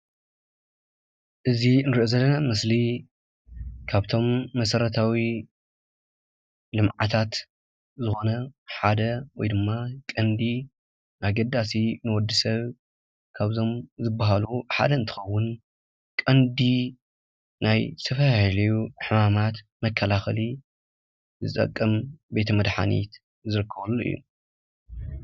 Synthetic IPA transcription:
ʔɨzinɨɾɨʔozɐlːɐnamɨsli | kʰaβt̪ʰo̞mːɐsɐɾɐt̪ʰawi | lɨmʕa̰t̪ʰat̪ | zɨxo̞nɐħad̪ɐwɔjd̪ɨmːakʼɐnd̪i | nʔaɡɐd̪ːasinɨwɔd̪ːɨsɐβ | kʰaβzo̞mzɨbːaɦaluħa̰d̪ɐɨnt̪ʰɨ̥xɐwːʊn | kʼɐnd̪i | najt̪ʰɐfɐjahlɐjuħɨmamat̪ | mɐkʰːɐlaxɐli | zɨ̰t̪ʼɐ̰kʼːɐmbe̞t̪ʰɐmɐd̪ħa̰nḭt̪ | zɨɾɨkʰːɐβɐlːuʔɨ̰jːṵ

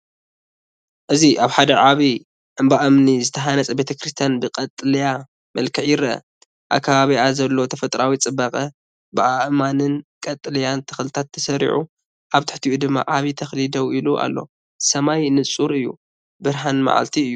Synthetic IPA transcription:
ʔɨziʔaβħad̪ɐʕaβi | ʔɨmbaʔɨmnizɨt̪ʰɐɦanɐt͡sʼɐbe̞t̪ʰɐkɾist̪ʰjanbɨkʼɐt̪ʼːɨlɐja | mɐlkʰɐħjɪɾɐʔɐ̰ | ʔa̰kʰːaβaβiazɐlːo̞t̪ʰɐfɐt̪ʼɾawit͡sʼɨbɐkʼɐ | bɨʔaʔmanɨnkʼɐt̪ʼːɨlɐjant̪ʰɐ̥xlɨt̪ʰat̪ʰːɐsɐɾḭʕu | ʔaβt̪ʰɨ̥ħt̪ʰiʔud̪ɨmːa̰ʔaβit̪ʰɐxlid̪ɐwiluʔa̰lːo̞̰ | sɐmajnɨt͡sʼuɾɨjːṵ | bɨɾɦanma̰ʕa̰lt̪ʰiɨjːu

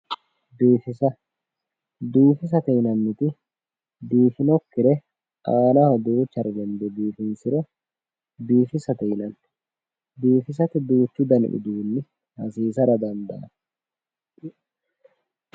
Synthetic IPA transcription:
b̪iːfɪsɐ | d̪uːfɪs̬ɐt̪ɛɪnɐnːɪt̪ɪ | d̪iːfɪnɔkːɪɾɛ | aːnahɔd̪uːt͡ʃːɐɾɪlɛnd̪ɛb̪iːfɪnsɪɾɛ | b̪iːfɪsɐt̪ɛɪnɐnː | b̪iːfɪs̬ɐt̪ɪd̪uːt͡ʃːud̪ɐnɪ̰ʔɪ̰d̪uːnːɪ | hɐsiːsɐɾɐd̪ɐnd̪ɐ̰ʔɐ̰n

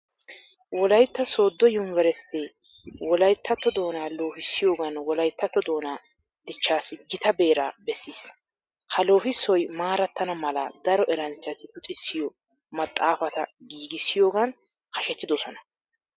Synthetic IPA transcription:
wɔlɐjt̪ːɐso̞ːd̪ːɔjʊnvɛɾɛst̪ɛ | wɔlɐjt̪ʰːɐt̪ːɔd̪o̞ːnaːlo̞ːhɪsːɪjo̞ːɡɐnwɔlɐjt̪ːɐt̪ːɔd̪o̞ːnaː | d̪̥ɪt͡ʃːaːsɪɡɪt̪ɐbe̞ːɾa̰ːbɛsːiːs | hɐlo̞ːhɪsɔjmaːɾɐt̪ːɐnɐmɐlɐ̰d̪ɐɾɔʔɛɾɐnt͡ʃːɐt̪ɪʔʊt̪ʼɪsːɪjɔ | mɐt̪ʼːaːfɐt̪ɐ̰ɡiːɡɪsːɪjo̞ːɡɐnkɐʃɛt̪ːɪd̪ɔsɔnɐ

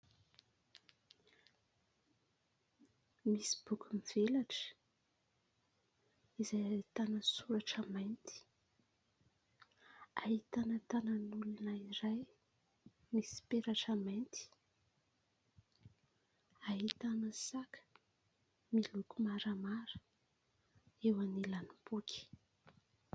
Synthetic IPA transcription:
misi̥b̥ukumiv̥elaʈ͡ʂə̥ | izajt̪anəsuɾaʈ͡ʂamajnt̪i̥ | aɦit̪anət̪anənulunaiɾaj | misi̥peɾaʈ͡ʂamajnt̪i̥ | aɦit̪anəsakə̥ | milukumaɾəmaɾə̥ | ewanilanib̥ukʲi̥

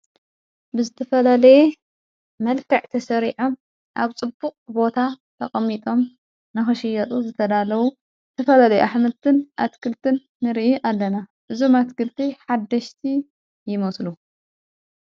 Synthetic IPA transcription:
bɨzɨt̪ʰɐfɐlalɐje | mɐlkɐʕt̪ʰɐsɐɾiʕo̞m | ʔaβt͡sʼɨbːuqʼbo̞t̪ʰa | t̪ʰɐχʼɐmːit̪ʼo̞m | nɨxɨʃɪjɐt̪ʼuzɨt̪ʰɐd̪alɐwu | zɨt̪ʰɐfɐlalɐjʔaħmɨlt̪ʰɨnʔat̪kʰɨlt̪ʰɨnːɨɾiʔiʔalːɐnaʔɨzo̞mat̪kɨlt̪ʰiħad̪ːɐʃt̪ʰi | jɪmɐslu

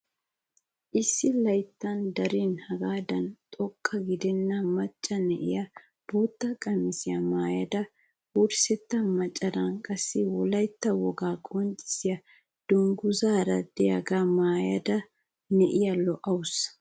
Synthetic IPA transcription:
ʔɪsːɪlɐjt̪ːɐnd̪ɐɾiːnhɐɡaːd̪ɐnt̪ʼɔkʰʼːɐɡɪd̪ɛnːɐmɐt͡ʃʼːɐnɛʔɪ̰jɐ | b̥oːt̪ːɐkʼɐmːɪsɪjɐmaːjɐ̰d̪ɐ | wʊɾsɛt̪ːɐmɐt͡ʃʼːɐd̪ɐnkʼɐsːɪwɔlɐjt̪ːɐwɔɡaːkʼɔnt͡ʃʼːɪ̥sɪjɐ | d̪̥ʊŋɡʊzaːɾɐd̪ɛjɐ̰ɡamaːjɐd̪ɐ | nɛʔɪjɐlɔʔɐwʊs

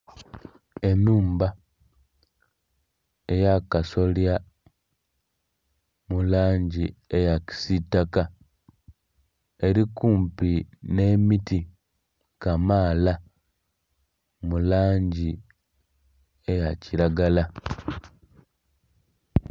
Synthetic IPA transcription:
enuːmba | ejakaso̞lja | mulaːɲɟiejaci̥sitːaka | eɾikuːmpinemiti | kamaːla | mulaːɲɟi | ejaciɾaɡala

